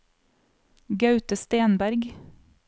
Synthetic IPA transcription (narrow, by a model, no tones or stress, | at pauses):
ɡɑʉt̪əst̪eːnbæɾɡ